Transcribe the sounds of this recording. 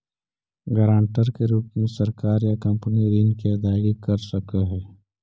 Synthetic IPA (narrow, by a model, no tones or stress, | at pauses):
ɡəɾãːɳʈəɾkeɾuːpmẽsɐɾkaːɾjakɐ̃mpəniɾinkid̪aːɡikəɾsɐkəɦɛː